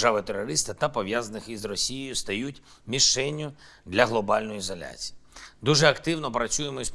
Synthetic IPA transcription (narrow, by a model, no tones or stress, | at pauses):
ʒaʋɪt̪eɾɔɾɪst̪ɪt̪ɐpɔʋjazɐnɪxizrɔsʲijejʊst̪ɐjutʲ | mʲiʃɛnʲːʊ | d̪lʲɐɦlˠɔbɑlʲnɔjʊizɔlʲa̰t͡sʲi̥jid̪uʒɛɐkt̪ɪwnɔpɾɐt͡sʲsʲujemɔsʲ